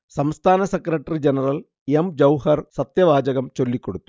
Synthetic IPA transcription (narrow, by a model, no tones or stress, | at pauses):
sɐmst̪ʰaːnɐsekːɾɐʈːɐrid͡ʑenɐrɐl | emd͡ʑɐwhɐrsɐt̪jɐʋaːd͡ʑɐɣɐmt͡ɕo̞lːikʲːo̞ɽut̪ːu